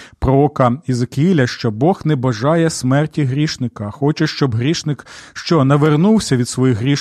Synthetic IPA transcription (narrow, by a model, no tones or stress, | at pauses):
pɾɔɔkɐizekɪilʲɐʃt͡ʃɔbɔxnɛbɐʒɑjɛsmɛrtʲiɦɾʲiʃnɪkɐxɔt͡ʃɛʃt͡ʃɔbɦɾʲiʃnɪkʃt͡ʃɔnɐʋernuwsʲɐʋʲid̪sʋɔjixɦɾʲiʃ